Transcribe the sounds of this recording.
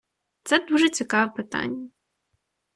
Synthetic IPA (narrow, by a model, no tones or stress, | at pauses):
t̪sɛd̪uʒɛt͡sʲikɑʋɛpɪt̪ɑ̰nʲːɐ